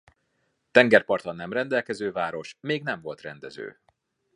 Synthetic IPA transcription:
t̪ɛŋɡɛrpɒrt̪ɒnːɛmrɛnd̪ɛlkɛzøːvaːɾo̞ʃmeːɡnɛɱvo̞lt̪rɛnd̪ɛzø̰ː

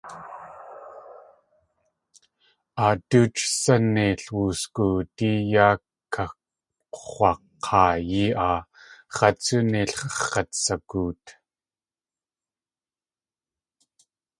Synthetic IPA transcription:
aːt̪uːt͡ʃsanːiɬwuːskut̪ijaːkkʰːḁ | χʷɑqʰːɑːjiʔa | χɑt͡suniɬχɑχɑt̪sakuːt̪

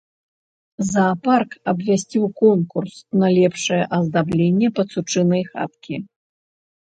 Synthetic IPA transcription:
zɐːparkɐbvʲasʲt͡sʲiwkɔnkursnɐlʲɛpʂɨjɛʔɐzd̪ablʲenʲːɛpɐt̪sut͡ʂɨnɐjxa̰t̪kʲi

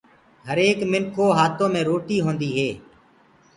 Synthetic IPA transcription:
ɦəɾeːkmɪŋkʰoːɦaːt̪õːmẽːɾoːʈiːɦõːnd̪iːɦeː

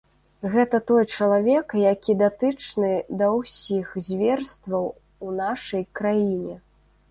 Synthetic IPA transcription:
ɣɛt̪ɐt̪ɔjt͡ʂɐlˠavʲɛkjakʲid̪at̪ɨt͡ʂnɨd̪ɐwsʲixzʲvʲɛrst̪vɐw | unaʂɐjkɾajinʲɛ

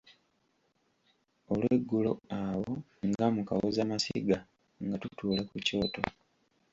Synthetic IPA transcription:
olweɡːulo̞̰awo | ŋɡamuka̰wozamasḭɡa | ŋɡatutuːlakuco̞ːto̞

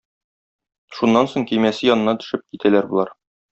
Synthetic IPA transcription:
ʃunːɑnsoŋkijmæsɘjɒnɤ̆nɑt̪ɵ̥̆ʃɘp̚kit̪ælæɾbulˠɑɾ

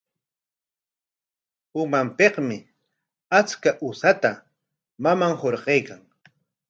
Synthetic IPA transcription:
ʊmampeqmɪ | at͡skaʔʊsat̪a | mamaŋhoɾqejkaŋ

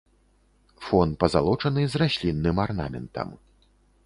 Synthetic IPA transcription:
fɔnt̪̚pɐzalˠɔt͡ʂɐnɨzrasʲlʲinːɨmarna̰mʲɛ̰nt̪ɐ̰m

